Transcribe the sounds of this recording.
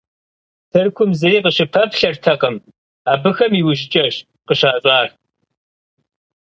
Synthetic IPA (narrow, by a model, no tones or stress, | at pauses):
tʰɨrkʷʰʊmzɨriːqəɕɪpʰɐpɬɐrtʰɐqɐm | aːbɨxɐmiwʊʑɪt͡ʃʼɐɕ | qəɕaːɕʼaːr